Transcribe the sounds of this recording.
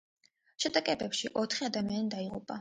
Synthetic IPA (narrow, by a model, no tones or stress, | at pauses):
ʃɛd̪akʼɛbɛpʃiʔɔt̪ʰχiad̪amianid̪aiʁupʼa